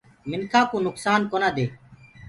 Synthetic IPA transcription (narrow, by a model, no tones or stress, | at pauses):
mɪnkʰaːkoːnʊksaːnkoːnãːd̪eː